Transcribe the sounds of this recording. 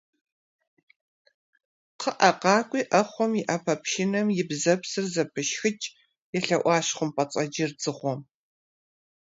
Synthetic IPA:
qʰəʔɐqɑːkʷʼiːʔɐχʷɔmjɪʔɐpʰɐpʃɪnɐmjɪbzɐpsɨrzɐpʰɨʃxɨt͡ʃʼ | jɛɬɐʔʷɑːɕχʷʊmpʼɐt͡sʼɐd͡ʒɪrd͡zɨχʷɔm

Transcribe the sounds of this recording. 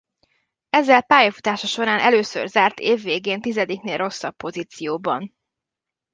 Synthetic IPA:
ɛzːɛlpaːjɒfut̪aːʃɒʃo̞ɾaːnʔɛløːsø̰rzaːrt̪eːvːeːɡeːnt̪izɛd̪ikneːlro̞sːɒpːo̞ziːt̪sijoːbɒ̰n

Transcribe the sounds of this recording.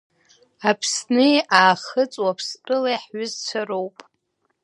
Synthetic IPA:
apʰsnɨaːχət͡sʼwapʰstʼɨlajħɥʊzt͡sʷʰarowpʼ

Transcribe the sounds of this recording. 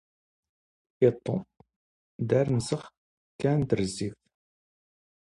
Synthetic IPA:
it̪ˤːo̰m | d̪æɾnsəχ | kːænt̪əɾziθ

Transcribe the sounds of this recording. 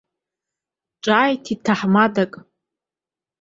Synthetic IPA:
ʈ͡ʂʼaːjtʰitʰaħmadakʼ

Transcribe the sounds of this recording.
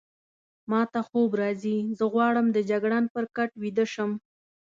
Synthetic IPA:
mɑt̪axobɾɑzizəɣwɑɽəmd̪əd͡ʒaɡɽɑnpəɾkaʈwid̪əʃəm

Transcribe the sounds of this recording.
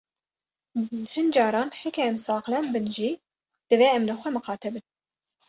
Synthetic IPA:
hɨnd͡ʒɑːɾɑːnhekʰɛɛmsɑːqlɛnbɨnʒi | d̪̥ɨveːɛmlɨxʷɛmɨxɑːt̪ʰɛbɨn

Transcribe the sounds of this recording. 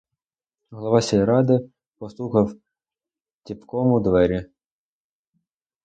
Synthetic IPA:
ɦlˠɐʋɑsʲijiɾɑd̪ɪ | pɔslˠuxɐw | tʲipkɔmʊd̪ʋɛɾʲi

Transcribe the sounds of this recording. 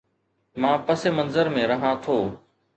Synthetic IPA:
mãːpəseːmənzəɾmẽɾəɦãːt̪ʰoː

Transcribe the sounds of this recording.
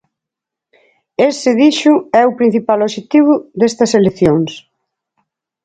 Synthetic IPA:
esɪðiʃʊɛʊpɾĩn̟θipaloʃet̪iβ̞ʊðest̪ɐselekθjoŋs

